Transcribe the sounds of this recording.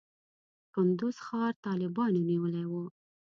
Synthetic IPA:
kʊnd̪ʊz̥xɑɾt̪ɑlɪbɑnoniwəlajwu

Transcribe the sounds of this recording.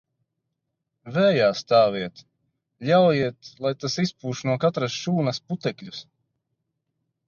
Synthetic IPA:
vɛːjaːst̪aːviɛt̪ | ʎʲawjiɛt̪lˠajt̪asispuːʃnuɔkat̪ɾasʃuːnɐsput̪ɛkʎʲus

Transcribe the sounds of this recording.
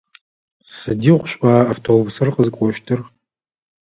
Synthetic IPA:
sɨdiːʁʷɕʷʼaːaftʰobusɐrqəzɨkʷʼɔʃtʰɨr

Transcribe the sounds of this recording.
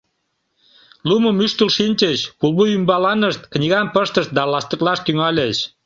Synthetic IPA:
luməmyʃt̪əlʃinʲt͡ɕəɕkulˠβuymbɑlɑnəʃt̪knʲiɣɑmpəʃt̪əʃt̪̚d̪ɑlɑst̪əklɑʃt̪yŋɑlʲeʃ

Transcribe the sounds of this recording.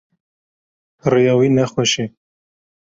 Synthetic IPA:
rijɑːwiːnɛxɛʃi

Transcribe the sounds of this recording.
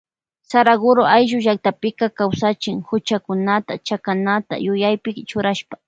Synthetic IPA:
saɾaɡʊɾoajʒʊʒak̚t̪apɪkakawsat͡ʃɪŋhʊt͡ʃakʊnat̪at͡ʃakanat̪a̰jʊjajpɪkt͡ʃʊɾaʃpḁ

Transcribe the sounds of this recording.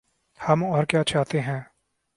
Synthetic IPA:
hɐmɔːɾkjaːt͡ʃaːɦt̪eɦɛ̃ː

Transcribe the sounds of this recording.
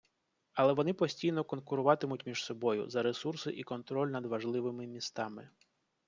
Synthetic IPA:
ɐlˠɛʋɔnɪpɔsʲtʲijnɔkɔnkʊɾʊʋɑt̪ɪmʊtʲmʲiʒsɔbɔjʊ̰zɐɾesursɪʔikɔnt̪ɾɔlʲnɐd̪ʋɐʒlˠɪʋɪmɪmʲist̪ɑmɪ

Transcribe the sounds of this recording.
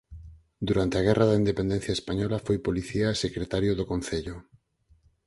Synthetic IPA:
d̪uɾant̪eaɣ̞ɛrʔaðaind̪epend̪ẽn̟θjaespaɲɔlafojpoliθiaesekɾet̪aɾjoðokon̟θeʎʊ

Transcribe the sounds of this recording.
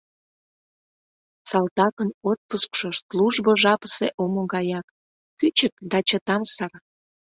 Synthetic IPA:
sɑlt̪ɑkənot̪̚puskʃoʃsluʒboʒɑpə̥seʔomoɣɑjɑkː | yt͡ɕək̚d̪ɑt͡ɕət̪ɑmsɑr

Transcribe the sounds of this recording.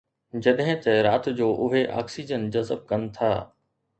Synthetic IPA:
d͡ʑɐɗɦɪ̃t̪ɐɾaːt̪̆d͡ʑoːʔʊɦeʔa̰ːksid͡ʑənd͡ʑɐzəb̚kɐnɪ̆t̪ʰa̰ː

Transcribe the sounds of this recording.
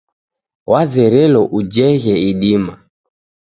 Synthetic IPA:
wazɛɾɛlɔʔud͡ʒɛɣɛiɗima

